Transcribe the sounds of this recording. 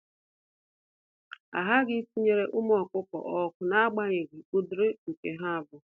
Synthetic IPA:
a̰˨ɦa˦ɡɪ˦si˦ɲe˦ɾe˦ʔʊ˦m˦ɔ˨kʊ˦kɔ̰˨ʔɔ˨kʷʊ˨na˦a˦ɡ͡ba˦ɲe˨ɡɪ˨u˦dʊ˦ɾʊ˦ŋ̩˨ke˨ɦa˦a˨bʊ˨

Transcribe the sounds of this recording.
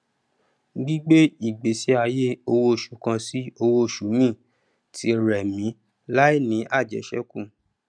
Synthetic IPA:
ɡ͡bi˦ɡ͡be˦i˦˨ɡ͡be˨˦se˦a˧je˦o˧wo˦˨ʃu˨˦kã˧si˦o˧wo˦˨ʃu˨˦jĩ˦˨ | tʰi˨˦ɾɛ˨mĩ˨˦ | la˦i˦˨nĩ˨˦ʔa˦˨d͡ʒɛ̰˨˦ʃɛ̰˦kũ˦˨

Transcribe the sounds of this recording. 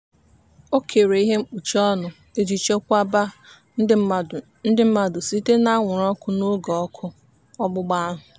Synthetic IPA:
o˦kʰe˨ɾe˨i˦ɦe˦m̩˦k͡pu˨t͡ʃɔ˦nʊ˨ | e˦d͡ʒi˨t͡ʃe˦kʷa˦ba˦ | n̩˦dɪ˦m̩˦ma˦dʊ˨si˦te˦na˦ŋʷʊ˨ɾɔ˦kʊ˦no˦ɡɔɔ˦kʰʊ˦ | ɔ˦ɡ͡bʊ˦ɡ͡ba˦a˦ɦʊ˨

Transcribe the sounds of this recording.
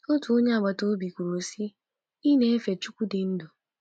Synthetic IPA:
o˦tu˨o˦ɲe˦a˨ɡ͡ba˨to˦bi˨kʷu˨ɾo˨si˦ | i˦ne˦e˦fe˨t͡ʃu˦kʷu˦dɪ˨n̩˦do˨

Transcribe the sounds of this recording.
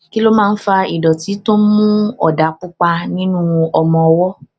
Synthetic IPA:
ki˦lo˦mãː˦˧˦n̩˦fa˧i˨dɔ˨ti˨˦to˦mũ˦ɔ̰˨da˨˦k͡pu˦k͡pa˧nĩ˦nũ˦ɔ˧mɔ̃˧ɔ˧wɔ˦

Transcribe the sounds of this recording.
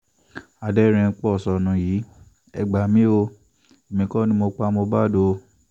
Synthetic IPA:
a˨dɛ˧˦ɾ̃ɛ̃˧k͡pɔ˦ɔ˦˨sɔ˧nũ˧ji˨˦ | ɛ̰˨ɡ͡ba˨mĩ˦o˧ | e˨mĩ˧kɔ˦nĩ˦mo˧k͡pa˧˦mo˧ba˦do˧

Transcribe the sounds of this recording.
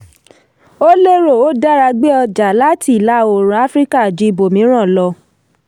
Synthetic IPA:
o˦le˦ɾo˦˨o˦da˦ɾa˧ɡ͡be˦ɔ˧d͡ʒa˨la˦ti˦˨la˦o˨ɾ̃ũ˨a˦fɾi˦ka˦˨d͡ʒi˨˦i˦˧bo˨mĩ˨˦ɾ̃ã˦˨lɔ˧

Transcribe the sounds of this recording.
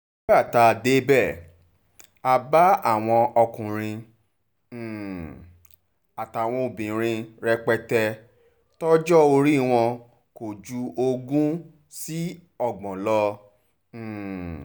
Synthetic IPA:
a˦˨ta˧˨de˦bɛ˦˨ | a˧ba˦a˦˨w̃ɔ̃˧ɔ˧kũ˨ɾ̃ĩ˧˨ | a˨ta˨w̃ɔ̃˧o˨bĩ˨ɾ̃ĩ˧ɾɛ˧k͡pɛ˧tɛ˧ | tɔ˦d͡ʒɔ˦o˧ɾi˦˨w̃ɔ̃˧ | ko˨d͡ʒu˧o˧ɡũ˦ | si˦ | ɔ˦˨ɡ͡bɔ̃˨lɔ˧˨

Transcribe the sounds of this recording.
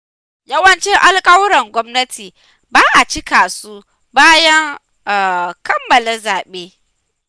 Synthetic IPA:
jɐ˦wɐ˦nt͡ʃɪ˦ŋʔa˦lkʼɐ˦wɾɐ˨ŋɡʷɔ˦mnɐ˦tʰiː˨ | baː˦ʔa˨t͡ʃɪ˦kaː˨su˦ | baː˦jɐ˦ŋ˨ | kɐ˦mːɐ˨le˦zaː˨ɓeː˦

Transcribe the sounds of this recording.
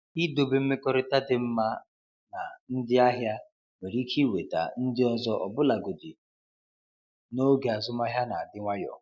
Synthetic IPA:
i˦do˨be˦m̩˦me˦kɔ˦ɾɪ˦ta˦dɪ˨m̩˦ma˦ | na˨n̩˦dɪ˦a˦ɦja˦ | me˨ɾi˦kʰi˦we˨ta̰˨n̩˦dɪ˦ɔ˦zɔ˦ʔɔ˨bʊ˦la˨ɡo˨dɪ˨ | no˦ɡe˨a˨zʊ˦ma˦ɦja˦na˨a˨dɪ˦ŋʷa˦jɔ̰˨

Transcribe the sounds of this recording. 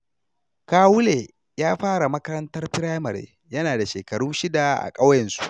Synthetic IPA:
kaː˦wʊ˦leː˨ | jaː˦ɸaː˦ɽa˨mɐ˦kɐ˦ɾɐ˦ntɐ˦rɸɪ˦ɽaː˦mɐ˨ɾḛː˦ | jɐ˦naː˨da˨ʃeː˨kɐ˨ɽuː˦ʃɪ˦da˨ʔa̰˨kʼɐ˦wjɐ˨nsu̥˦ʔ

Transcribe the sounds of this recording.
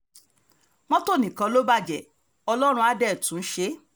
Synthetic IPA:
mɔ̃˦to˦˨nĩ˨kã˨˧lo˦ba˦˨d͡ʒɛ˨ | ɔ˧lɔ˦ɾ̃ũ˧a˧dɛ˦˨tũ˨˦n̩˦ʃe˦

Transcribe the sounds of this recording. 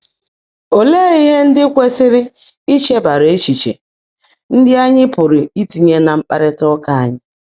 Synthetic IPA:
o˨leː˦i˦ɦe˦n̩˦dɪ˦kʷe˦sɪ˦ɾɪ˦ | i˦t͡ʃe˦ba˨ɾe˦t͡ʃi˨t͡ʃḛ˨ | n̩˦dɪ˦a˦ɲɪ˦pʊ˨ɾɪ˨i˦ti˨ɲe˦na˨m̩˦k͡pa˦ɾɪ˦tɔ˦ka˦a˨ɲɪ˦

